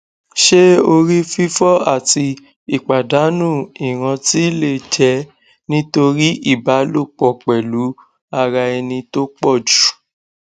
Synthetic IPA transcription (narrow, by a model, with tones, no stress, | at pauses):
ʃe˦o˧ɾi˦fi˦fɔ˦a̰˦˨ti˧ | i˦˨k͡pa˨da˨˦nũ˦˨i˨ɾ̃ã˧ti˦le˦˨d͡ʒɛ˨˦ | nĩ˦to˧ɾi˦i˦˨ba˨˦lo˦˨k͡pɔ˦˨k͡pɛ˨lu˨˦ | a˧ɾa˧ɛ˧nĩ˧to˦k͡pɔ˦˨d͡ʒu̥˨